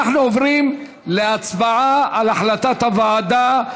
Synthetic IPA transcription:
aχnuovʁim | leat͡sbaʕaalaħlat̪at̪havaːd̪a

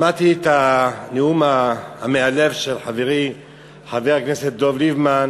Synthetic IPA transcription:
mat̪it̪aneumaamealevʃelħaveʁi | ħaveʁakneset̪̚d̪ovlivman

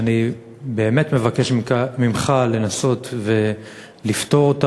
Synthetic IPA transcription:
ani | be̞ːme̞tme̞vake̞ʃmimχale̞naso̞tve̞ | lifto̞ʁota

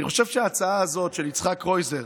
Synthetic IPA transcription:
iχoʃev̥ʃɛaːt͡saaːzo̞tʃelit͡sχakʁo̞jze

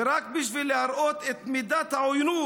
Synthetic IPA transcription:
ɾakbiʃvilːehaɾʔot̪et̪mid̪at̪haojnu

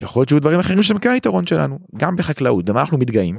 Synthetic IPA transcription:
jaχoljo̞tt͡ʃejud̪vaʁimaχeʁimʃehemkenait̪aʁo̞nʃela̰nuɡambeχaklaut̪ɡamanaχnumit̪ɡaim

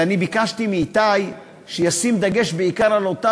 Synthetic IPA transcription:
anibikaʃt̪imit̪aj | ʃejasimd̪aɡe̞ʃbeikaʁalot̪a

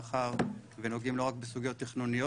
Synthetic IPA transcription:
χaʁveno̞ɡimlo̞ʁak̚besuɡjo̞t̪ːiχnunijo

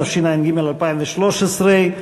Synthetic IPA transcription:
ʃinainɡimelalpaiɱveʃloʃesʁe

